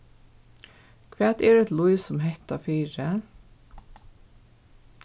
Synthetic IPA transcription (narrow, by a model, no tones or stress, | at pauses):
kʰʋæːt̪ɛɹɛt̪lʊjsʊmɦɛht̪afiːɾə